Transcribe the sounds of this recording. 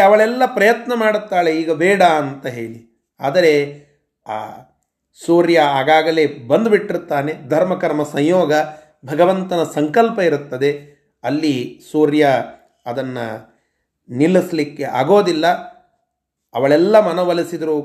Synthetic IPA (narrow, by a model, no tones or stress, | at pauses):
ɐʋɐɭɛlːɐpɾɐjɐt̪nɐmaːɽut̪ːaːɭe̞iːɡɐbɛːɽaːnt̪ɐɦeːɭi | a̰ːd̪ɐɾe̞̰ | suːɾjɐaːɡaːɡɐle̞bɐnd̪ubiʈːiɾut̪ːaːned̪ʱɐɾmɐkɐɾmɐsɐɲjoːɡɐ | bʱɐɡɐʋɐnt̪ɐnɐsɐŋkɐlpɐiɾut̪ːɐd̪e̞ | ɐlːisuːɾjɐ | ɐd̪ɐnːɐ̰ | nilːislikːe̞ʔa̰ːɡo̞ːd̪ilːɐ | ɐ̰ʋɐɭɛlːɐmɐnɐʋɐlisid̪ɐɾu